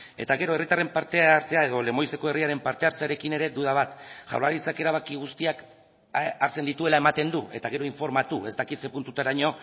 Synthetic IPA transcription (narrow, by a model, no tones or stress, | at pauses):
e̞̰t̪aɣe̞ɾo̞e̞rit̪are̞mpaɾt̪eaɾt͡se̞ae̞ðo̞le̞mo̞jse̞ko̞e̞riaɾe̞mpaɾt̪e̞aɾt͡seaɾe̞kine̞ɾe̞d̪uðaβat̪ʝa̰wlaɾit͡sake̞ɾaβ̞akiɣ̞ust̪iak | aɾt͡se̞nd̪it̪ue̞lae̞mat̪e̞nd̪uʔe̞t̪aɣe̞ɾo̞iɱfo̞ɾmat̪ue̞zt̪akit̪se̞punt̪ut̪aɾaɲo̞